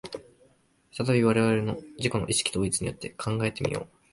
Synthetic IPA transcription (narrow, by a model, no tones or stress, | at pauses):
ft̪at̪abʲiβaɾe̞βaɾe̞no̞d͡ʑiko̞no̞ʔiɕi̥kʲi̥t̪o̞ːit͡sɨɲ̟ijo̞t̪ːe̞kʰãŋɡaet̪e̞mʲḭjo̞̰ː